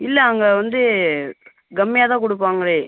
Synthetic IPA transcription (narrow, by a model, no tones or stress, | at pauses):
ɪlːɛɐŋɡɐʋɐnd̪ɯ | ɡɐmːɪjaːt̪ãːk̬ɔɽɯpːaːŋɡɐɭeː